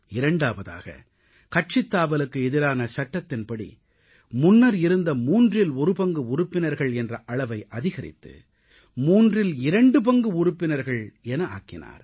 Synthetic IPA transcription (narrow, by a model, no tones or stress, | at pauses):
ɪɾɐɳɖaːʋɐða̰ːɣɐ̰ | kɐʈ̚t͡ʃɪt̪ːaːʋɐlɯkːɯɛðɪɾaːnɐsɐʈːɐt̪ːɪnpɐɽḭ | mʊnːɐɾɪɾɯnd̪ɐmuːndrɪlɔɾɯpɐŋɡɯʊɾʊpːɪnɐɾɣɐɭɛndrɐʔɐɭɐʋɐɪʔɐðɪɣɐɾɪ̰t̪ːɯ̰ | muːndrɪlɪɾɐɳɖɯpɐŋɡɯʊɾʊpːɪnɐɾɣɐɭɛnɐa̰ːkɪ̰na̰ːɾ